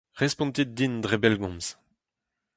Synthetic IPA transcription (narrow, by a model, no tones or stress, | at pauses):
ʁɛspɔ̃nt̪it̪̚d̪ind̪ʁebɛlɡɔ̃mz̥